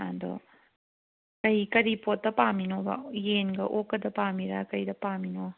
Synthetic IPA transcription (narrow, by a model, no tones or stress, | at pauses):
a̰ndo̰ | kɐikɐɾipot̚ːɐpaminoba̰jenɡɐʔokːɐdɐpamiɾa̰kɐjdɐpamino